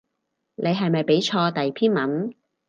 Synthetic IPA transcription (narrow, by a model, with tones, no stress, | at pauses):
ne˨˧jɦɐ˨jmɐ˨jpe˨˥jt͡ʃʰɔː˧t̪ɐ˨jpʰiː˥nmɐ˨˥n